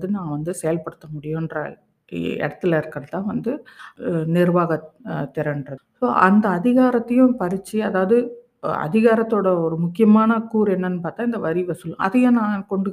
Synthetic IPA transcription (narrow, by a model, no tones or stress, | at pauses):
ðɯnãːʋɐnd̪ɯsɛjɐlpɐɽɯt̪ːɐmʊɽɪjʊ̃ndrɐ̰ | ɛ̰ɽɐt̪ːɯlɐɪɾɯkːɐɽɐt̪ːãːʋɐnd̪ɯ | nɪɾʋaːɣɐt̪ːɛɾɐnɖrɐsoːʔɐnd̪ɐːðɪɣaːɾɐt̪ːɐjʊ̃pɐɾɪt͡ʃːiɐðaːʋɐðɯ | ɐ̰ðɪɣaːɾɐt̪ːoːɽɐɔɾɯmʊkːɪjɐmaːnɐkuːɾɛnːɐnːɯpaːɾt̪aːɪnd̪ɐʋɐɾɪʋɐsɯl̃ɐ̰ðɐjɐ̃nãːkɔɳɖɯ